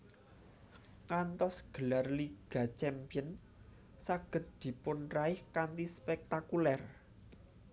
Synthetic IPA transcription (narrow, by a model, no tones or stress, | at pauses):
ŋant̪ɔsɡ̥ə̤larliɡ̥a̤t͡ʃɛmpijən | saɡ̥ə̤t̪̚d̪̥i̤pʊnraɪhkant̪ispɛk̚t̪akulɛr